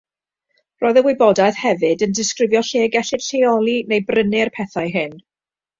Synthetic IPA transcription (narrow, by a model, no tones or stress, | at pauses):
rɔːɨðəwɪbɔdaθhɛvɨdəndɪskrɪvjɔɬeːɡɛɬɪd̥ɬejɔlˠinejbrənɪrpʰɛθaɨɦɨn